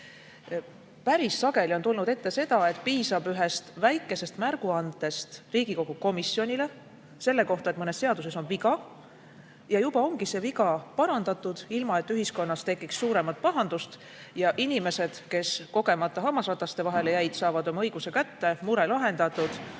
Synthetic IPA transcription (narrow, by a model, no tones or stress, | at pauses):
pæɾisːɑɡ̥e̞lio̞nt̪ulnud̪e̞t̪ːe̞se̞d̪̥ɑe̞t̪ːˑpiːsɑbyɦe̞st̪væjkːˑe̞se̞st̪mærɡ̥uɑnd̪ˑe̞st̪riːɡ̥iko̞ɡ̥uko̞misːio̞nʲile̞ | se̞lːe̞ko̞ht̪ɑet̪mɤne̞sse̞ɑd̪̥use̞so̞nviɡɑ | jɑjub̥ɑo̞ŋɡ̥ise̞viɡɑpɑɾɑnd̪̥ɑt̪ːˑud̪̥ilmɑe̞t̪ːyɦisko̞nːɑst̪e̞kːˑiksːuːɾe̞mɑt̪̚pɑɦɑnd̪̥ust̪ | jɑʔinime̞se̞d̪̥ke̞sko̞ɡ̥e̞mɑt̪ːˑɑɦɑmːɑsvɑt̪ːˑɑst̪e̞vɑɦe̞le̞jæjd̪sɑːvɑd̪̥o̞mɑɤjɡ̥use̞kæt̪ːe̞muɾe̞lɑɦe̞nd̪̥ɑt̪ːˑud̪̥